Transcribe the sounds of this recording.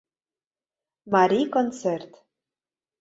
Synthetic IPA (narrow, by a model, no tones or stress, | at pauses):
maɾʲikont͡sert̪